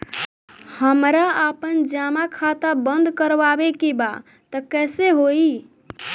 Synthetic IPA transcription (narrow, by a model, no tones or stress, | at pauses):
həmɾaapənd͡ʒamakʰat̪abənd̪ʱkəɾʋabekiba̰ | t̪əkɛseɦoi